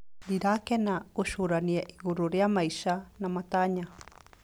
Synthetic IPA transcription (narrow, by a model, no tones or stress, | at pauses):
diɾakenausuɾaniaʔiɡuɾuɾeamajsanamat̪aɲa